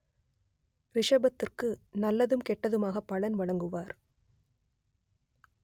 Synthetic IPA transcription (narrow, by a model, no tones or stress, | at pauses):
ʋɪʂɐbɐt̪ːɪrkɯnɐlːɐðɯmkɛʈːɐðɯmaːɣɐpːɐɭɐnʋɐɻɐŋɡɯʋaːɾ